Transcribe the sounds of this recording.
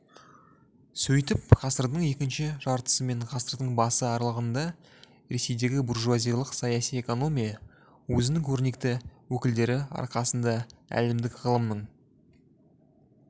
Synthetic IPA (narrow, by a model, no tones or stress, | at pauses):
sɵjt̪ɪp̚ʁɑsəɾd̪əɴje̞kʲɪnʃɪʒɑɾt̪ə̥səme̞ɴʁɑsəɾd̪əɴbɑsəɑɾlˠəʁənd̪ɑ | ɾe̞se̞jd̪e̞ɡʲɪburʒuazijalˠəqsɑjɑsije̞ko̞no̞mʲija | wɵzɪnɪŋkʲʰɵɾne̞kt̪ɪwɵkʲɪld̪e̞ɾɪɑ̰ɾqɑsənd̪ɑæ̰lɪmd̪ɪkʁəlˠəmnəɴ